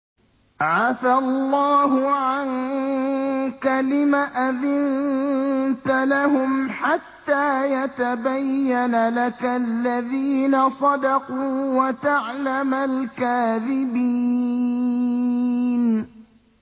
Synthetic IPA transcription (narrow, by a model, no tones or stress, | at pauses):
ʕaθallˤːɑːɦʊʕan | kalɪmaʔaðɪn | t̪alahʊmħat̪ːaːjat̪abajːanalakalːaðiːnasˤɑd̪ɑquːwat̪aʕlamalkaːðɪbi | n